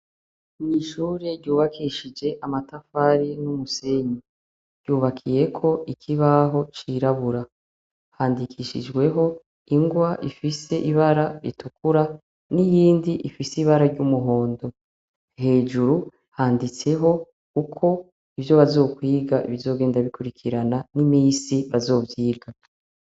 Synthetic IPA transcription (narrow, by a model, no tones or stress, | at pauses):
miʃuːɾe̞ɾɟuːβakʰiʃid͡ʒe̞ʔamatafaɾinumuse̞ɲi | ɾ̥ɟ̥uːβakʰije̞kʰo̞ikʰiβaɦo̞t͡ʃiɾaβuɾa | haːndikʰiʃḭd͡ʒɡwe̞ɦo̞ | iŋɡwaʔifise̞ʔiβaɾaɾḭtukuɾa | nijiːndiʔifisiβaɾaɾɟumuɦo̞ːndo̞ | he̞ːʒuɾu | haːndit͡se̞ɦo̞ | kukʰo̞ | ivjo̞βazo̞ːkwiːɡaʔiβizo̞ːɡe̞ːndaβikuɾikʰiɾananimiːsiβazo̞ːvjiːɡa